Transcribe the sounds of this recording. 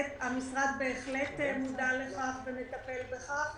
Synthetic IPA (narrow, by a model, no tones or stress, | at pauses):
tamisʁad̪beːχlet̪emud̪aleχaχvemet̪apelbeχaχ